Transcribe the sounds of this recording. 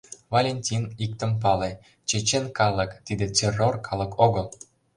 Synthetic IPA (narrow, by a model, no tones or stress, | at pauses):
volʲenʲtʲinik̚t̪ə̆mp̬ɑle | t͡ɕet͡ɕenkɑləkt̪id̪et͡sʲerːorkʰɑləkʰoɣəl